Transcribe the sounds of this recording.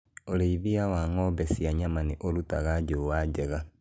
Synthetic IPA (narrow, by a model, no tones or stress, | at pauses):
oɾeiβiawaŋɔbɛsiaɲamaneʔoɾutaɣad͡ʒowaɟɛɣa